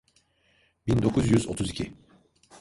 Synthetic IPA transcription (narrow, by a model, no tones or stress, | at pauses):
bind̪o̞kʰuzjyzo̞̰t̪ʰuzicʰi